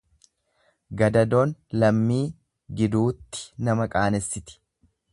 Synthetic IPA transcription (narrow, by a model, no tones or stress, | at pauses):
ɡɐd̪ɐd̪o̞ːnlɐmːiː | ɡɪd̪uːt̪ːɪ̥nɐmɐkʼaːnɛsːɪt̪ɪ̥